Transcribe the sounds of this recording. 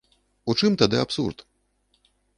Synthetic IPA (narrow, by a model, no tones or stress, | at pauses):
ut͡ʂɨmt̪ad̪ɨapsṵrt̪